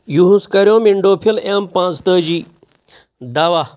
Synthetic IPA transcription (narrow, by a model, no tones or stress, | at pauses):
juɦũskɐɾjõmiɳɖoːpʰilempãt͡st̪əd͡ʑi | d̪aʋa